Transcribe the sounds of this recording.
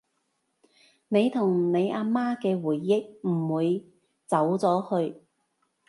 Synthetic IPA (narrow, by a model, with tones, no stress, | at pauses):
ne˨˧jt̪ʰʊ˨˩ŋne˨˧jaː˧maː˥kɛː˧wuː˨˩jːɪ˥k̚m̩˨˩wuː˨˧j | t͡sɐ˨˥wt͡sɔː˨˥hɵ˧ɥ